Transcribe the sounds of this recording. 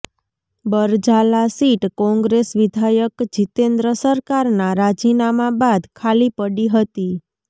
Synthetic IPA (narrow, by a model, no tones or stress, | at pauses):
bəɾd͡ʒalasiʈkɔ̃ŋɡɾesʋɪd̪ʱajəkd͡ʒit̪end̪ɾəsəɾkaɾnaɾad͡ʒinamabad̪kʰalipəɽiɦət̪i